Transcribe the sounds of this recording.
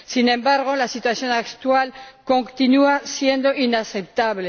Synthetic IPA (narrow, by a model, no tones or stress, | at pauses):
sinẽ̞mbaɾɣ̞o̞lasit̪wasjo̞nakt̪walko̞ŋt̪inuasje̞nd̪o̞inase̞p̚t̪aβle